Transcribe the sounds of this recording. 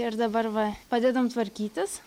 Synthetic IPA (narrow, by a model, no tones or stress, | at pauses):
ɪɾd̪ɐbɐrʋɐpɑːd̪ʲeːd̪ɐmt̪ʋɐɾʲkʲiːt̪ʲɪs